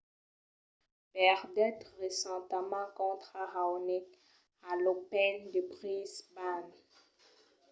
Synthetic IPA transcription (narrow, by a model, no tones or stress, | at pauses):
pɛʁd̪ɛt̪ʁesɑ̃t̪amɑ̃kɔ̃t̪χaʁawnɛt | alopɛnd̪əbʁisban